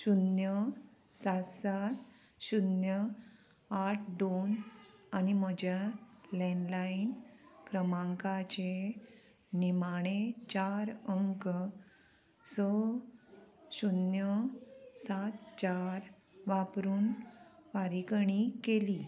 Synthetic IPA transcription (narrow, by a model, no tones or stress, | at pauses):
ɕunjə | sasat̪ | ɕunjə | aʈʰd̪onaniməd͡ʑalɛ̃nlainkɾəmãŋkat͡ɕe | nimaɽ̃et͡ɕaɾəŋk | sə | ɕunjəsat̪t͡ɕaɾ | ʋapɾuːnʋaɾikɳikeli